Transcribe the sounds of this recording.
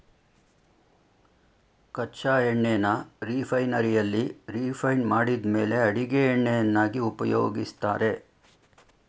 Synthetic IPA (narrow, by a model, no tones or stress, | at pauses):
kɐt͡ʃaːɦeɳːenɐɾiːpʰɐjnɐɾijɐlːiɾiːpʰɐjnmaːɽid̪me̞ːle̞ɐɽiɡeːɳːejɐnːaːɡiupɐjo̰ːɡist̪a̰ːɾe̞